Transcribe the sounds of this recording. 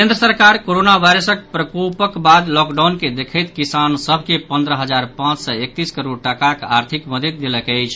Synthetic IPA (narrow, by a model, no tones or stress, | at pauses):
kẽnd̪ɾəsəɾkaɾkoɾonaʋajɾəsək̚pɾəkopəkbad̪lɔkɖawnked̪ekʰəjt̪kisansəbʱkepənd̪ɾəɦəd͡ʒaɾpãt͡ʃsəek̚t̪iskəɾoɽʈakakaɾt̪ʰikməd̪ət̪̚ːeləkəjt͡ʃʰ